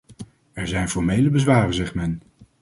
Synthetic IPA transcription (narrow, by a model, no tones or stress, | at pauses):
ɛɹzɛjnfɔɹmejləbəzʋaːrənzɛχtmɛn